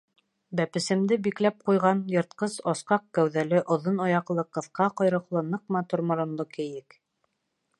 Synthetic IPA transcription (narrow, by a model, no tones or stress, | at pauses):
bæpɘ̆sɘ̆md̪ɘbiklæp̚qujʁɑnjŏɾt̪̚qɤsɑsqɑq̚kæwðælɘʔŏðonɑjɑqlˠɤqɤ̆θqɑqɑjɾɤ̆qlˠɤnɤq̚mɑt̪uɾmŏɾɤ̆nlˠɤkɘ̆jɘk